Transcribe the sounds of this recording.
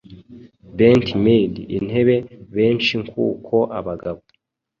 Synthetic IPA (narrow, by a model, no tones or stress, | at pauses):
beːntʰimediʔin̥he̞βe̞βeːɲt͡ʃiŋkʰṵːkʰoʔaβaɡaβo